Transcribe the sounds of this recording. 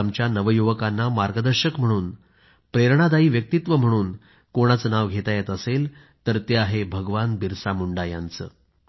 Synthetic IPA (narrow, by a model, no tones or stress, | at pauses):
mt͡ɕjanəʋəjuʋəkanːamaɾɡəd̪əɾɕəkm̤əɽ̃uːn | pɾeɾɳ̃ad̪aiːʋjək̚t̪it̪ʋəm̤əɽ̃uːn | koɽ̃at͡sənaʋɡʱet̪ajet̪əsel | t̪əɾt̪eaɦebʱəɡʋanbiɾsamuɳɖaja̰nt͡sə̰ː